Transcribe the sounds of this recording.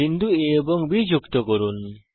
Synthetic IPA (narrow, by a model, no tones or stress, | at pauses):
indueəbɔŋbid͡ʒuk̚tɔɡɔɾun